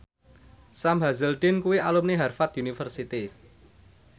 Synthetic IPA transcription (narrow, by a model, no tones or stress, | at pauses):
samɦazəlɖ̪ɪnkuwiʔalumniɦarfat̪unifərsit̪i